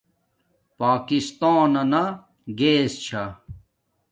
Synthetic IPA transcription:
paːkist̪aːnɐna | ɡeːst͡ɕʰa

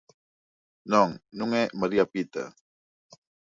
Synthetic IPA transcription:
nɔŋnuŋɛməɾiapit̪ə̰

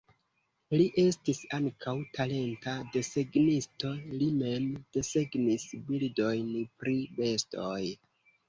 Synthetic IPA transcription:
liʔe̞stisaŋkʰawtale̞ntade̞se̞ɡnisto̞lime̞md̥e̞se̞ɡnisbildo̞jnpɾibe̞stoj

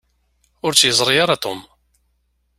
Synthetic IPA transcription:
ʊɾt͡sːjəzˤɾˤijaɾat̪ˤom

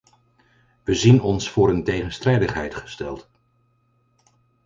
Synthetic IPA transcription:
ʋəzinɔnsfʊːɾəntejχənstrɛjdəχɦɛ̰jtχə̥stɛlˠt

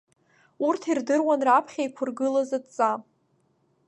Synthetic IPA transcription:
urtʰirdɨrwanrapʰχʲajkʷʰʊrɡɨlazadt͡sʼa

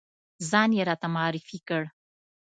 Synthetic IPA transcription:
zɑnjeɾɑt̪amaɑɾɪfikəɽ

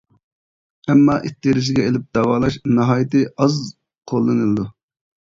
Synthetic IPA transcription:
ɛmːɑʔit̪ʰːiɾɪʃ̬ɪɡʲɛelɪp̚d̪̥ɑwɑːlˠɑʃnɨɦɑːjit̪ɨɑz | qʰolˠːɨnɨlˠɨd̪u

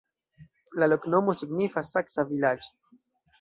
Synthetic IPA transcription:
lalokno̞mosiɡnifasaksavilad͡ʒo̥

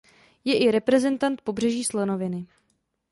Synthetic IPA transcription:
jɛʔɪɾɛpɾɛzɛnt̪ant̪̚po̞br̝ɛʒiːslɛnovɪnɪ

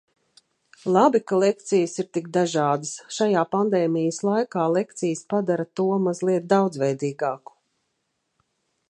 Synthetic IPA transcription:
lˠabikalˠek̚t̪sijəsiɾt̪ikd̪aʒɑːd̪əsʃajaːpand̪ɛːmijəslˠajkaːlˠɛkt̪sijəspad̪aɾat̪uɔmazlˠiɛt̪̚d̪awd̪zvɛjd̪iːɡɑːku̥

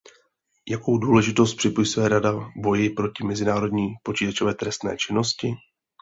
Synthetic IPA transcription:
jako̞wduːlɛʒɪt̪o̞s̬t̪̚pr̥ɪpojisvɛːɾadabo̞jɪpɾo̞cɪmɛzɪnaːɾo̞dɲiːpo̞t͡ʃiːt̪at͡ʃo̞vɛːt̪ɾɛst̪nɛ̰ːt͡ʃɪno̞scɪ

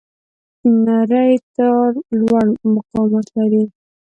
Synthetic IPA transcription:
naɾəjt̪aɾlwaɽmʊqɑmat̪laɾi

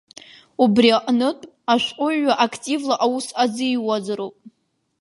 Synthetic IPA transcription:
ubriaqʼnɨtʷʼ | aʃʷᶣqʼʊːaʔakʰtʼivlaʔawusad͡zɨiwazaɾopʼ

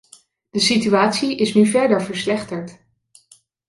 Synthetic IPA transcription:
d̥əsityaːtsiʔɪsnyvɛɹdəɹvəɹslɛχtəɹt

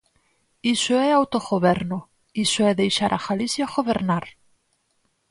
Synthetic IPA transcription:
isoɛawt̪oɣoβɛɾno | isoɛðejʃaɾʔaɣalisjaɣoβeɾnaɾ

